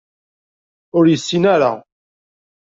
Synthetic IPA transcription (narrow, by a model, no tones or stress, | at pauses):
ʊɾjəsːinæɾa̰